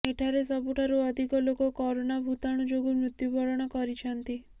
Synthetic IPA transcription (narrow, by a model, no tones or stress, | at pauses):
eʈʰaɾesɔbuʈʰaɾuɔd̪ʱikɔlokɔkɔɾonabʱut̪aɽ̃ud͡ʒoɡumɾut̪jubʱɔɾɔɽ̃ɔkɔɾit͡ʃʰɔnt̪i